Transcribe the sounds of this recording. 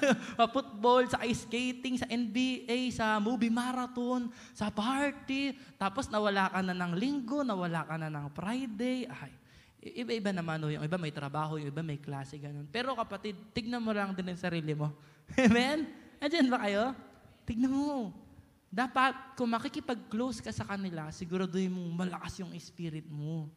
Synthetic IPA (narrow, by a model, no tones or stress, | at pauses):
pɐfʊt̪̚bo̞lsɐʔɐjskejt̪ɪŋsɐʔɛnbiːʔajsɐmuːbimaːɾɐt̪o̞n | sɐpaɹt̪it̪aːpo̞snɐwɐlaːkɐnɐnɐŋlɪŋɡo̞nɐwɐlaːkɐnɐnɐŋfɾajd̪ɛjʔaj | ʔʔɪbaʔɪbanɐmanojʊ̰ŋʔɪbamɐjt̪ɾɐbaːɦojʊŋʔɪbamɐjklaːsɛɡɐno̞npɛːɾo̞kɐpɐt̪ɪd̪̚t̪ɪɡ̚nɐmolɐŋd̪ɪnjʊŋsɐɾiːlɪmo̞ | hɛmɛnɐnd͡ʒɐnbɐkɐjo̞t̪ɪɡ̚nɐmo | d̪aːpɐt̪̚kʊŋmɐkɪkɪpɐɡ̚klowskɐsɐkɐnɪlasɪɡuːɾad̪ohɪnmoŋmɐlɐkasjʊŋʔɪspiːɾɪt̪̚mo